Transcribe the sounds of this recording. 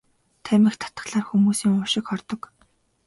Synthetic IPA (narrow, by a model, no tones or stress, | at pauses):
t̪ʰæmʲɪ̆xt̪ʰḁt̪ə̥̆χɮaːrxumuːsiːŋʊʃɪ̆kχɔrt̪ɞ̆k